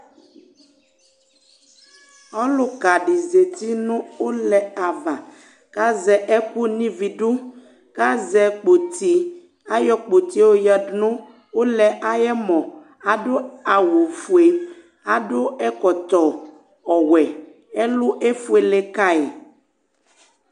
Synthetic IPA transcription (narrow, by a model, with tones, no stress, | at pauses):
ɔ˦lʊ˦ka˨ɖi˨ze˨t̪i˦nũ˦o˦lɛ˨a˨va˨ | ka˦zɛ˨ʔɛ˦ku˦nĩ˦vi˨ɖu˦ | ka˦zɛ˨k͡po˨t̪i˨ | a˦jɔ˦k͡po˨t̪i˦wo˦ja˦dnũ˦ | wo˦lɛ˨ʔa˨jɛ˦mɔ̃˨ | a˨ɖo˦a˨wo˨fu˨e˨ | a˨ɖʊ˦ɛ˦kɔ˨t̪ɔ˨ | ɔ˨wɛ˨ | ɛ˦lʊ˦ʔe˦fu˦e˨le˦ka˦e˨